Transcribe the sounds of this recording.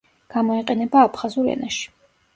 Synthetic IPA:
ɡ̥amɔiqʼɛnɛbaːpʰχazuɾɛ̰naʃi̥

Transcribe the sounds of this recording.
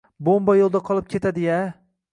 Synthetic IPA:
bombajolˠd̪aqʰɒlˠɪp̚kʲʰe̞t̪ad̪ɪja

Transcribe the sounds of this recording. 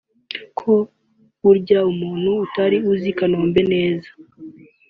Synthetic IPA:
kʰo̞ | uɾɟaumuːn̥huːtaɾiuzikanoːmbe̞ne̞ːzḁ

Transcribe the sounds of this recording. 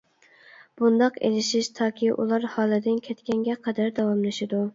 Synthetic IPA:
b̥und̪ɑqḛlɪʃiʃt̪ʰɑːkʲʰiʔṵlˠɑɾhɑːlˠɨd̪ɪnkʲʰɛt̪kʲɛŋɡʲɛqʰɛd̪æɾd̪ɑwɑmlɪʃɪd̪u

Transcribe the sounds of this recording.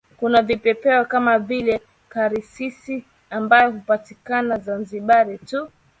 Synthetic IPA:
kunavipɛpɛɔkamavilɛ | kaɾisisi | ambajɔhupatikanazanziɓaɾitu

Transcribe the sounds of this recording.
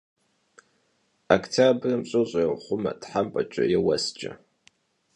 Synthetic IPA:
akʰtʰabrɨmɕʼʊɕʷʼajwχʷʊma̰dħampʼat͡ʃʷʼajawasd͡ʒʼa̰

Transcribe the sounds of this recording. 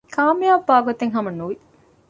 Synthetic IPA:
kʰaːmijaːbːaːɡot̪eŋɦɐmɐnːuʋi

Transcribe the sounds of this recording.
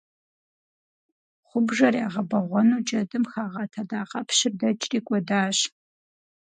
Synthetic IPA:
χʷʊbʒɐrjaːʁɐbɐʁʷɔnuːd͡ʒʼɐdɨmxaːʁɐtʰɐdaːqʼɐpʰʃɪrdɐt͡ʃʼrʼiːkʷʼɔdaːɕ

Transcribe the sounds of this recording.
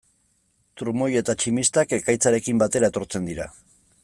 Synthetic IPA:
t̪uɾmo̞je̞t̪at͡ʃimist̪ake̞kajt͡saɾe̞kimbat̪e̞ɾae̞t̪o̞ɾt͡se̞nd̪iɾa̰

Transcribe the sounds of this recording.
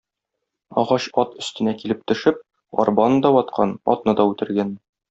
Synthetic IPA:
ɒ̰ʁɑɕɒt̪ɵ̆st̪ɘ̆nækilɘp̚t̪ɵ̆ʃɘp̚ | ɒ̰rbɑnɤd̪ɒwɒt̪̚qʰɑnɒ̰t̪nɤd̪ɒʉt̪ɘ̆ɾɡæn

